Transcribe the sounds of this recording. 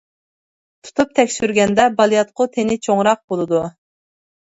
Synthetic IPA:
t̪ʰu̥t̪ʰup̚t̪ʰɛkʲsyɾɡʲɛnd̪ɛbɑlˠijɑt̪̚qʰʊt̪ʰenɪt͡ʃʰoŋɾɑq̚bolˠɨd̪u

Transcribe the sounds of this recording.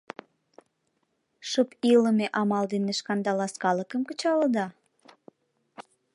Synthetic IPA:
ʃəpiləmeʔɑmɑld̪eneʃkɑnd̪ɑlɑskɑləkəmkət͡ɕɑləd̪ɑ

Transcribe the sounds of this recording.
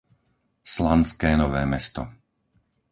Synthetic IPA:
slanskɛːnɔʋɛːmɛst̪ɔ

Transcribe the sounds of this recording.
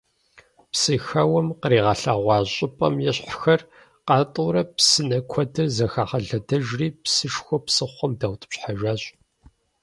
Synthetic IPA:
psɨxɐwɐmqəɾiːʁɐɬaːʁʷɑːɕʼɪpʼɐ̰mjɛɕħxɐr | qɑːtʼʊɾɐpsɨnɐkʷʰɔdɐrzɐxaːχɐɮɐdɐʒriːpsɨʃxʷɔpsɨχʷɔmdaːwtʼɨ̥pɕħaʒaːɕʼ

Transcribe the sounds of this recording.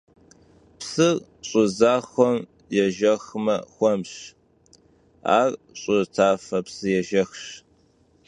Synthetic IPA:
psɨr | ɕʼʊzaːxʷɔm | jɛʒɐxmɐxʷɔmɕ | a̰ːrɕʼʊtʰaːfɐpsɨjɛʒɐxɕ

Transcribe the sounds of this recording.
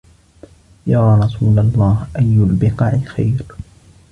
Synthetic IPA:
jaːɾˤɑsuːlalˤːɑːhʔajːʊlbɪqɑːʕxajɾ

